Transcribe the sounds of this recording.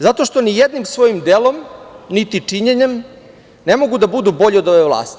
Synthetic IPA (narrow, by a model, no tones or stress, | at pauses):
zat̪o̞ʃt̪o̞nijed̪nimsʋo̞jimd̪elo̞mnit̪it͡ʂiɲeɲe̞m | ne̞mo̞ɡud̪abud̪ubo̞ʎio̞d̪o̞ʋe̞ʋlˠa̰ːst̪i̥